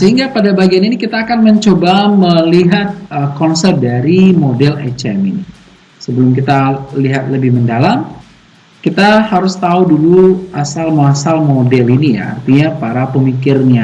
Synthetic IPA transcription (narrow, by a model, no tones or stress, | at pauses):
səɦiŋɡapadabaɡianinikit̪aːkanməɲt͡ʃobaməliɦat̪̚əkɔnsɛr̚daɾimodɛlḛt͡ʃɛmini | səbəlʊmkit̪aliɦat̪̚ləbɪhməndalam | kit̪ahaɾʊst̪auduluʔasalmasalmodɛlinija̰a̰rt̪iɲapaɾapəmikɪrɲa